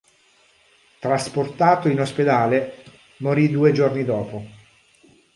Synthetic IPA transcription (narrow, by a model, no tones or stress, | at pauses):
t̪ɾasport̪aːt̪oinosped̪aːle | moɾid̪uːed͡ʒornid̪ɔːpo